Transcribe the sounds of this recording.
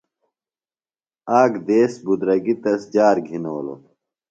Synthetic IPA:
aːɡd̪eːsbud̪ɾɐɡit̪ɐsd͡ʑaːɾɡʱinoːlo̰

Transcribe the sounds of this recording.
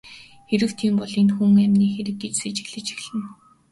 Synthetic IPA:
xeɾɘ̆wt̪ʰiːmpɔɮenxuŋæmʲniːxeɾɘ̆k̚ɡet͡ɕset͡ɕɪ̥̆xɮɘ̆t͡ɕɪ̆xɮɘ̆n

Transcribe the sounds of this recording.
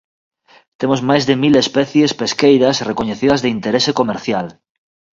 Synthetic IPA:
t̪emozmajzðemilespɛθjespeskejðasrekoɲeθið̞azðeint̪eɾesekomeɾθjal

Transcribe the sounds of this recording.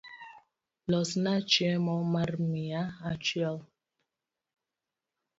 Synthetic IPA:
lɔsnat͡ʃɛmɔmaɾmiaat͡ʃɥɛl

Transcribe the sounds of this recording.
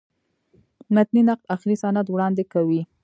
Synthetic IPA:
nat̪ninaqlaxlisanat̪wɽɑnd̪ekawi

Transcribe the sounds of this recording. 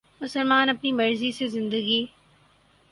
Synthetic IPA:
mʊsəlmaːnɐpnimɐɾzisezɪ̃nd̪əɡi

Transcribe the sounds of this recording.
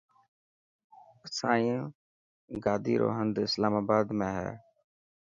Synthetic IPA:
saːĩũː | ɡaːd̪iːɾo̰ːɦənd̪ɪslaːmaːbaːd̪mẽːɦɛ̰ː

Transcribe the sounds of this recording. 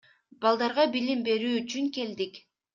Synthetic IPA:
bɑlˠd̪ɑɾʁɑbilimbe̞ɾyːyt͡ʃyŋke̞ld̪ik

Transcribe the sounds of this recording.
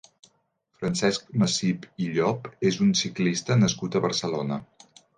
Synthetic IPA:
fɾənsɛsk̚məsipiʎɔpezunsiklist̪ənəskut̪əβərsəlonə

